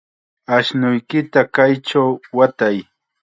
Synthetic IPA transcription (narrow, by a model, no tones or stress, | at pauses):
aʃnʊjkɪt̪akajʈ͡ʂawwat̪aj